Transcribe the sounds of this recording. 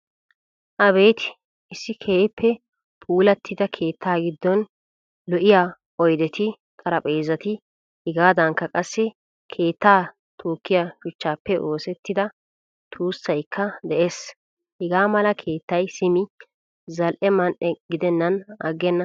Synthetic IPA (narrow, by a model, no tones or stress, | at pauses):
ʔɐbe̞ːt̪ɪ̥ | ɪsːɪkʰeːpʰːɛ | pʰʼuːlɐt̪ːɪd̪ɐkʰe̞ːt̪ʰːaːɡɪd̪ːɔn | lɔʔɪjaː | ʔɔjd̪ɛt̪ɪ | t̪ʼɐɾɐpʼeːzɐt̪ɪ | hɪɡaːd̪ɐŋkːɐkʼɐsːɛ | kʰe̞ːt̪ːaː | t̪ʰoːkːɪjaʃʊt͡ʃːaːpːɛʔo̞ːsɛt̪ːɪd̪ɐ | t̪ʰuːsːɐjkʰːɐd̪ɛʔeːs | hɪɡaːmɐlɐkʰe̞ːt̪ːɐjsɪmɪ | zɐlʔɛmɐnʔɛɡɪd̪ɛnːɐnɐ̰ɡɛnːɐ